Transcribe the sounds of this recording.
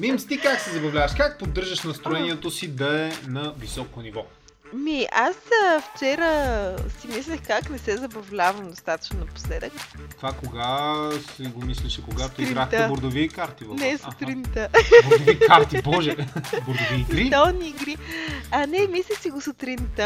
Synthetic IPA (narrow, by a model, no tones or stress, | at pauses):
mimst̪ikaksɛzɐbɐvlʲavɐʃkak̚pod̪ːɤɾʒəʃnɐst̪ɾoɛniɛt̪osid̪ɐɛnɐvisɔkonivɔ | miʔasəft͡ʃɛɾəsimislʲəxkaknɛsɛzɐbɐvlʲavɐmd̪ost̪at̪ɐ̥t͡ʃnonɐpo̥slɛd̪əkt̪ovakoɡasɛɡomislɛʃɛkoɡat̪oiɾɡɾaxt̪ɛboɾd̪ovikaɾt̪ivɐnɛsot̪ɾint̪əboɾd̪ovikaɾt̪ibɔʒɛboɾd̪ovit̪ɾit̪oniːɡɾiɐnɛmislʲisiɡosot̪ɾint̪ə